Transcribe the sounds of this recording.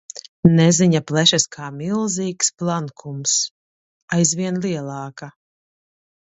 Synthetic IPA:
nɛziɲaplɛʃɛskʰaːmʲilˠziːksplˠankʰums | ajzvʲiɛnlˠiɛlˠɑːka

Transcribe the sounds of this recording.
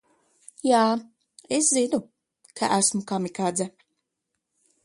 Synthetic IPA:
jaː | eszinu | kʰaʔæsmukamikad̪zɛ

